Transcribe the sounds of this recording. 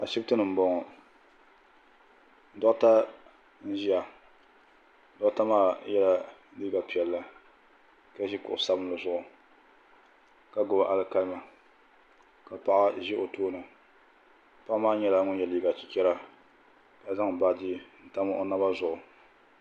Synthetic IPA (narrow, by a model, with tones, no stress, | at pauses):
a˨ʃi˦btɨ˦nɨ˨m̩˨bɔ˦ŋɔ˨ | n̩˨dɔ˦ta˦ | n̩˦ʒi˦ja˨˦ | dɔ˦ʔta˦maː˦jɛ˦la˦liː˦ɡa˨pi˨ɛ˨lːa˨ | ka˦ʒi˦kʊ̰˨ʔʊ˨sa˦bɨ˦lɨ˨zʊ˦˨ʔʊ˨ | ka˦ɡʊ˨bʔa˦lɨ˦ka˦lma˨ | ka˨pa˦ʔa˦ʒɪ˦ʔo˨toː˦nɨ˨ | pa˦ʔmaː˦ɲɛ˦la˦ŋʊ˦jɛ˨liː˦ɡa˨t͡ʃi̥˨kɛ˦ɾa˦ | ka˨˦za˦ŋ˨ba˦di˦n̩˨ta˦m˦o˦na˦ba˦zʊ˨ʔʊ˨